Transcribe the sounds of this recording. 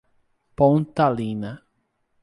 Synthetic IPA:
põnt̪alĩnɐ

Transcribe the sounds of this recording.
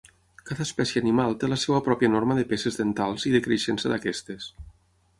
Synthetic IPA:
kaðaːspɛsjeanimalˠt̪eləsewəpɾɔpjanorməðepesezðent̪alˠziðekɾeʃensəðakɛst̪es

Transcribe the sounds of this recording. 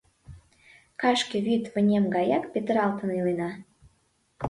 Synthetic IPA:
kɑʃkĕβyt̪βə̆nʲemɡɑjɑkpʲet̪ə̆ɾɑlt̪ənilenɑ

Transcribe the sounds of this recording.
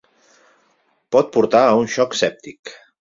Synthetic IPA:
pɔt̪̚puɾt̪aunʃɔksɛp̚t̪ik

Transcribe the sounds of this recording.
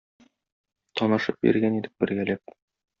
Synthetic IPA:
t̪ɒnɤ̆ʃɤp̚bḭɾɡænid̪ɘp̚bɘ̆ɾɡælæp̚

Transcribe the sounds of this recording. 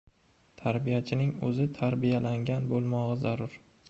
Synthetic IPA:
t̪ʰaɾbijat͡ʃʰɪnɪŋɵzɪt̪ʰaɾbijalaŋʲanbolˠmɒʁɨzaɾʊɾ

